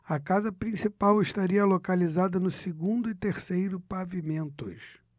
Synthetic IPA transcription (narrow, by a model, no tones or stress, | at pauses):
ɐkazɐpɾĩsipawɪʃt̪aɾiɐlokalizad̪ɐnʊsɪɡũnd̪ʊɪt̪eɾsejɾʊpavimẽnt̪ʊ̰s